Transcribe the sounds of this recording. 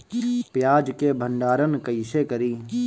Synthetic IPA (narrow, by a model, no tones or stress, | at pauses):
pjaːd͡ʒkebʱə̃ɳɖaːɾənkɐɪsekəɾiː